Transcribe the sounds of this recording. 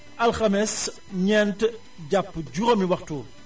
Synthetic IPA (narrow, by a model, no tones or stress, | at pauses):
ʔɐlxɐmɛs | ɲɛnt | ɟɐpːɟuɾɐmiwɐxtuːl